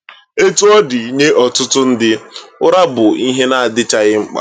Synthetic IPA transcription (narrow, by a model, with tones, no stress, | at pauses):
e˦tu˦ɔ˦dɪ˨˦ɲe˦ʔɔ˨tʊ˦tʊ˦n̩˦dɪ˦ʊ˦ɾa˦bʊ˨i˦ɦe˦na˦˨a˨dɪ˦t͡ʃa˨ɣɪ˦ŋ͡m̩˦k͡pa̰˨